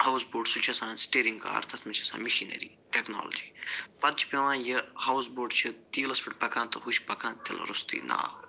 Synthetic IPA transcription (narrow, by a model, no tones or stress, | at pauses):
haːwsboːɖsut͡ʃʰɐsãːnsʈeːɾiŋɡka̰ːɾt̪ʰɐt̪ʰmɐt͡ʃʰɐsã̰ːmiʃinḛɾḭːʈeːkna̰ːlɐ̰d͡ʒiːpɐt̪̚t͡ʃʰi̥pʲeʋãːjɐhawsboːɖt͡ʃʰit̪iːlɐspiʈ̚pɐkʰãːt̪ɨɦuʃpɐkʰãːnt̪ʰil̰ɾust̪ḭːna̰ː